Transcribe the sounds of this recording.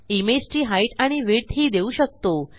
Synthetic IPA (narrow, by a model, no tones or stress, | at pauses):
imesʈiːɦaiʈaɽ̃iʋiɾt̪ʰɦiːd̪euɕək̚t̪o